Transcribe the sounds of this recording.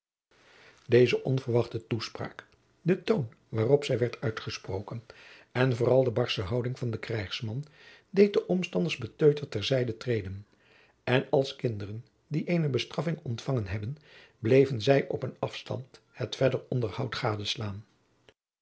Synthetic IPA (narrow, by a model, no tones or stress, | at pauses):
dejzəʔɔnvəɹʋɑχtətuspra̰ːk | dətown | ʋaːrɔpsɛjʋɛɹtœɥtχəsprowkənɛnvoːrɑlˠdəbɑɹsəɦɑwdɪŋvɑndəkrɛjχsmɑn | dejt̚dəʔɔmstɑndəɹzbətøɥtəɹtɛɹzɛjdətrejdən | ɛnɑlˠskɪndərən | diʔejnəbəstrɑfɪŋɔntfɑŋənɦɛbən | blejvənzɛjʔɔpənɑfstɑ̰nt | hətfɛdəɹɔndəɹhɑwtχaːdəslaːn